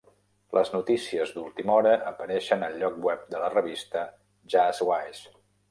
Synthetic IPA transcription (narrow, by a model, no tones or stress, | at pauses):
lʔəznut̪isiəzd̪ulˠt̪imɔɾəʔəpəɾɛʃənəlʎːɔk̚bwɛp̚d̪ələrəβist̪ə | ʒazwajs